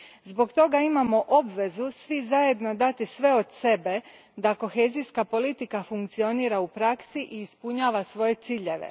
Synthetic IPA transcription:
zbo̞kt̪o̞ɡaimamo̞ʔo̞bʋe̞zusʋizaje̞d̪nod̪at̪isʋe̞od̪se̞be̞ | d̪ako̞xe̞ːziskapo̞lit̪ikafuŋkt̪sio̞niːɾaupɾaksiʔiːspuɲaːʋasʋo̞je̞t̪siːʎe̞ʋḛ

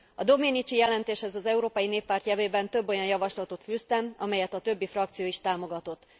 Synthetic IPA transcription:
ɒd̪o̞meːnit͡ʃijɛlɛnt̪eːʃhɛzɒzɛuɾoːpɒjineːpːaːrt̪jɛveːbɛnt̪ø̞bːo̞jɒnjɒvɒʃlɒt̪o̞t̪fyst̪ɛmɒmɛjɛt̪ɒt̪ø̞bːifrɒkt̪sijoːiʃt̪aːmo̞ɡɒt̪o̞t̪ː

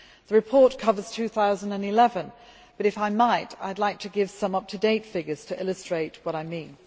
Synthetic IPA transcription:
ðəɹɨpʰɔɹt̚kʰʌvə˞z̥tʰʉθaʊzə̃n̩də̃nɪlɛvə̃n | b̥ʌɾɨfaɪmaɪta̰ɪdˡlaɪk̚tʰɨɡɪv̥sʌ̃mʌp̚tʰɨdeɪtfɪɡəz̥tʰɨʔɪlˠəstɹ̥eɪt̚wʌɾaɪmĩn

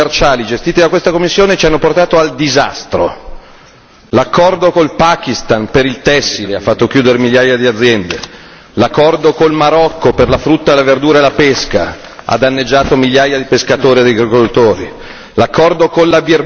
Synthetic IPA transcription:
rt͡ʃaːlid͡ʒest̪iːt̪id̪akwest̪akomːisːjoːnet͡ʃianːoport̪aːt̪oald̪iza̰st̪ɾo | lakːɔrd̪okolpaːk̟ist̪anpeɾilt̪ɛsːileafːat̪ːok̟juːd̪eɾemiʎjaːjad̪iad̪zːjɛnd̪e | lakːɔrd̪okolmaɾɔkːoperlafɾut̪ːad̪elaverd̪uːɾaelapeska̰ | a̰d̪anːed͡ʒːaːt̪omiʎjaːjad̪ipeskat̪oːɾiad̪ejɡɾekod̪ut̪ːoːɾi | lakʰːɔrd̪okonlabir

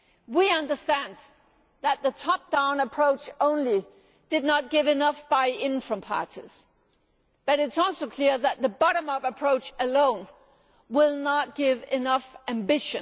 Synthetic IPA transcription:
wiʌ̃ndə˞stæ̃n | ðɨt̪̚ðɨtʰɑp̚d̥ãʊ̃nəpʰɹ̥oʊt͡ʃõʊ̃nli | d̥ɨdⁿnət̚ɡ̥ɪvɨnʌfb̥aɪɪ̃nfɹə̃mpʰɑ̰ɹɾḭz̥ | b̥ʌɾɨtsɔlˠsoʊkʰl̥ɪɹðɨt̪̚ðɨbɑɾə̃mʌvɨpʰɹ̥oʊt͡ʃɨlõʊ̃n | wɪlˠnət̚ɡ̥ɪvɪnʌfæ̃mbɪʃɨ̃n

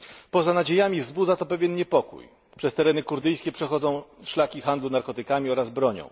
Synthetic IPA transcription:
pɔzanad͡ʑejamʲivzbud̪zat̪ɔpɛvʲjɛnɲɛpɔkṵj | pʂɛst̪ɛɾɛnɘkuɾd̪ɘjskʲɛpʂɛxɔd̪zɔ̃w̃ʂlakʲixand̪lunaɾkɔt̪ɘkamʲiɔɾazbɾɔɲɔ̰̃w̃

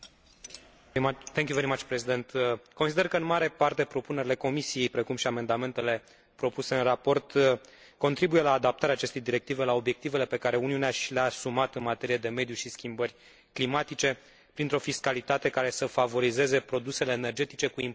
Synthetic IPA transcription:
t̪eŋkʲjuve̞ɾimat͡ʃpɾesid̪e̞nt̪ʰko̞nsid̪e̞rkəɨnmaɾe̞part̪e̞pɾo̞pune̞ɾile̞ko̞misije̞jpɾe̞kumʃiame̞nd̪ame̞nt̪e̞le̞ | pɾo̞puse̞ɨnrapo̞rt̪ | ko̞nt̪ɾibuje̞laːd̪ap̚t̪aɾeaːt͡ʃe̞st̪e̞jd̪iɾe̞k̚t̪ive̞lao̞bje̞k̚t̪ive̞le̞pe̞kaɾe̞uniuneaʃileaːsumat̪ɨnmat̪e̞ɾijed̪e̞me̞d̪juʃiskʲimbərʲ | klimat̪it͡ʃe̞ | pɾint̪ɾo̞fiskalit̪at̪e̞kaɾe̞səfavo̞ɾize̞ze̞pɾo̞d̪use̞le̞ːne̞rd͡ʒe̞t̪it͡ʃe̞kuim

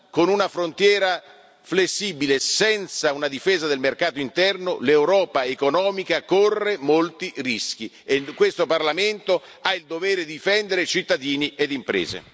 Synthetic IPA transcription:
konunafɾont̪jɛːɾa | flesːibilesɛnt̪saunad̪ifeːzad̪elmerkaːt̪oint̪ɛrnolewɾɔːpaekonɔːmikakorːemolt̪irisk̟i | ekwest̪oparlament̪o | aild̪oveːɾed̪iifɛnd̪eɾet͡ʃit̪ːad̪iːnied̪impɾḛːzḛ

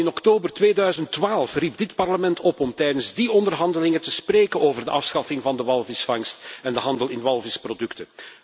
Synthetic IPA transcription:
ɪnɔktoːbərtʋeːdœɥzəntʋaːlˠfrib̚dɪtpɑrləmɛntɔpɔmtɛjdənzdiɔndərɦɑndəlɪŋətəspreːkənoːvərdəʔɑfsxɑfɪŋvɑndəʋɑlˠvɪsfɑŋstɛndəɦɑndəlɪnʋɑlˠvɪsprodɵktə

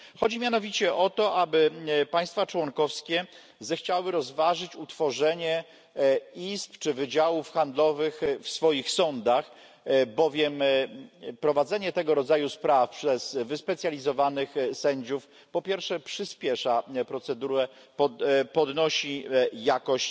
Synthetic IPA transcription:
xɔd͡ʑimʲjanɔvʲit͡ɕɛʔɔt̪ɔʔabɘpaj̃st̪fat͡ʂwɔŋkɔfskʲɛ | zɛxt͡ɕawɘɾɔzvaʐɘt͡ɕut̪fɔʐɛɲɛ | ispt͡ʂɘvɘd͡ʑawufxand̪lɔvɘxfsfɔjixsɔnd̪ax | bɔvʲjɛm | pɾɔvad̪zɛɲɛt̪ɛɡɔɾɔd̪zajuspɾafpʂɛz̥vɘspɛt̪sʲjalʲizɔvanɘxsɛɲd͡ʑuf | pɔpʲjɛɾfʂɛpʂɘspʲjɛʂapɾɔt̪sɛd̪uɾɛ | pɔpɔd̪nɔɕijakɔɕt͡ɕ

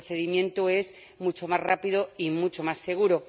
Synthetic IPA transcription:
θe̞ðimjẽ̞nt̪oe̞z | mut͡ʃo̞mazrapiðoimut͡ʃomasːe̞ɣ̞uɾo

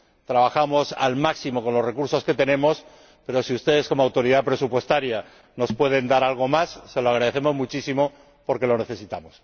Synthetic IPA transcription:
t̪ɾaβ̞axamo̞sa̰lmaksimo̞ko̞nlo̞re̞kuɾso̞ske̞t̪e̞ne̞mo̞s | pe̞ɾo̞siust̪e̞ð̞esko̞moawt̪o̞ɾiðapɾe̞supwe̞st̪aɾja | no̞spwe̞ð̞e̞nd̪aɾalɣ̞o̞masːe̞loaɣ̞ɾaðeθe̞mo̞zmut͡ʃisimo̞ | po̞ɾke̞lo̞ne̞θe̞sit̪amo̞s

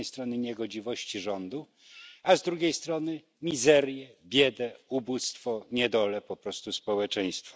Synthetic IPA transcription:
ɛjst̪ɾɔnɘɲɛɡɔd͡ʑivɔɕt͡ɕiʐɔnd̪u | azd̪ɾuɡʲejst̪ɾɔnɘ | mʲizɛɾjɛbʲjɛd̪ɛubust̪fɔɲɛd̪ɔlɛpɔpɾɔst̪uspɔwɛt͡ʂɛj̃st̪fɔ̥

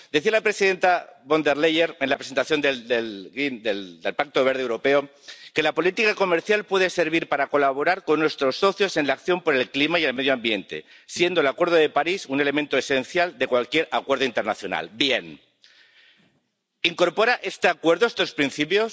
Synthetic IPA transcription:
d̪eθialapɾe̞siðe̞nt̪aβond̪eɾlejeɾenlapɾese̞nt̪aθjo̞nd̪eld̪elɣind̪eld̪elpak̚t̪o̞βe̞ɾð̞ewɾo̞pe̞o | ke̞lapo̞lit̪ikako̞me̞ɾθjalpwe̞ðese̞ɾβ̞iɾpaɾako̞laβ̞o̞ɾaɾko̞nːwe̞st̪ɾo̞sːo̞θjo̞se̞nlakθjo̞mpoɾe̞lklimaie̞lme̞ð̞joambje̞nt̪e̞̰ | sje̞nd̪oelakwe̞ɾð̞oð̞epaɾisune̞le̞mẽnt̪oese̞nθjald̪e̞kwalkje̞ɾakweɾð̞oint̪e̞ɾnaθjo̞̰na̰lbjen | iŋko̞ɾpo̞ɾaʔe̞st̪eakwe̞ɾðo̞est̪o̞spɾinθipjo̞s

